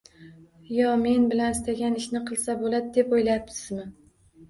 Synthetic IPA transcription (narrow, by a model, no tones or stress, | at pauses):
jɒme̞nbɪlanɪst̪ʰaɡʲanɪʃnɪqʰɨlˠsabolad̪d̪e̞pojlajap̚t̪ɪzmɪ